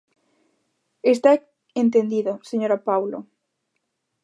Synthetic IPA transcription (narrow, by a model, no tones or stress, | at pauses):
est̪a | ent̪end̪iðoseɲoɾapawlo̰